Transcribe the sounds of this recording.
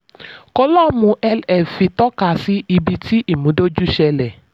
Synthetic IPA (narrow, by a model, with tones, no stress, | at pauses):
ko˦lɔ˦mũ˧ʔɛ˧lɛ˨fi˧tɔ˦ka˨si˦i˧bi˧ti˦ʔi˦˨mũ˨˦do˦d͡ʒu˦ʃɛ˧lɛ˨